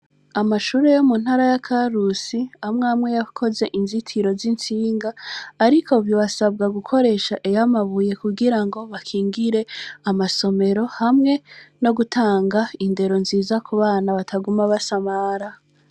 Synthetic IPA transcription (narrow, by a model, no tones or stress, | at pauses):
amaʃuːɾe̞jomunhaɾajakʰaɾusiamŋamŋe̞jakʰo̞ze̞ʔinzitʰiɾo̞zint͡siːŋɡaːɾiko̞bjoβasab̚ɡaɡukʰo̞ɾe̞ʃaʔejamaβuje̞kuɡiɾaŋɡo̞βakʰiːŋɡiɾe̞amaso̞me̞ɾo̞hamŋe̞no̞ɡutʰaːŋɡainde̞ɾo̞nziːzakuβaːnaβatʰaɡumaβasamaɾa